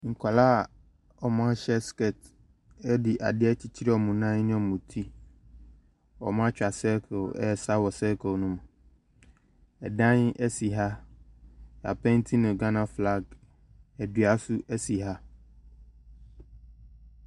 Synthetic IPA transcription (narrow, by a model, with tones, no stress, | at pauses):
ŋ̩˨kʰʷa˨laː˦˨ | ɔ˨mã˦ɕɛ˦skɛ˦˨t | ɛ˦dɪ˨ʔa̰˨dɪ˦ɛ˦t͡ɕʰi˦t͡ɕʰi˦ɾɛ˦ɔ˨mũ˨nã˦nɪ̃˦ɔ˨mũ˨tʰi˦ | ɔ̰˨mã˦t͡ɕᶣa˨sɛ˦kʰo˨ɛ˦˨sa˦wɔ˨sɛ˦kʰo˨nũ˦m˨ | ɛ˨dã˦n˦ʔɛ˦si˨ɦa˦˨ | a˨pʰɛ̃˦n˦tʰĩ˦nʊ̃˨ɡã˦nã˨fla˦˨ɡ | ɛ˨dɥa˦sʊ˦ʔɛ˦si˨ɦa˦